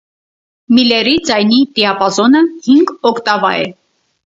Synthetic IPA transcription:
milɛrid͡zɑjnit̪iɑpɑzɔnəhiŋɡɔkʰt̪ɑvɑ̰ɛ̰

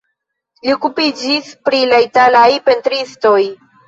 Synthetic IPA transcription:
liokupid͡ʒispɾilaitalajpe̞ntɾisto̞j

